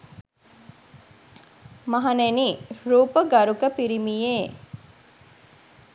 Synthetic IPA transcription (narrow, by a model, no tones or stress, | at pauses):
mɐɦɐneniɾuːpəɡaɾukəpiɾimije